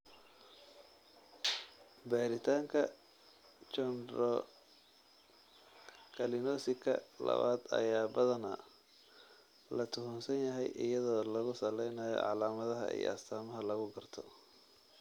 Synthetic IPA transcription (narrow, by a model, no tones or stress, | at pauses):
baːɾɪt̪ʰaːŋkʰɐ | t͡ʃɔnɾɔ | kʰɐlɪnɔːsɪkʰɐ̰lɐ̰βa̰ːd̪ɐ̰jaːbɐðɐnɐ | lɐt̪ʰʊɦʊnsɐnjɐɦɛjʔɪ̰jɐðɔːlɐɣʊsɐlɛjnɐːjɔ̰ʕɑlaːmɐðɐɦɐ̰ḭj̰ɐst̪ʰaːmɐɦɐlɐɣʊɡɐrt̪ʰɔ